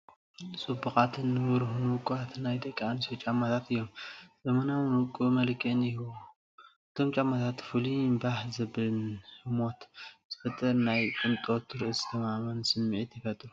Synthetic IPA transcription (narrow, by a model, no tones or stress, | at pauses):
sʼubɨxʼat̪ʰɨnːɨwɨɾhunukʼuat̪najd̪ɐkʼːaanisot͡ʃʼamːat̪ʰat̪ʰɨjːo̞mzɐmɐnawnukʼːumɐlkʰɐnihu | ɨt̪ʰo̞mt͡ʃʼamːat̪ʰat̪fɨlimbaħzɐbɨɨnhɨmo̞t̪z̥ɨfɐt̪ʼɐɾnajkʼɨnt̪ʼo̞t̪ʰːɨɾɨʔɨzɨt̪ʰɐmamɐnsɨmːʕit̪jɪfɐt̪ʼɾu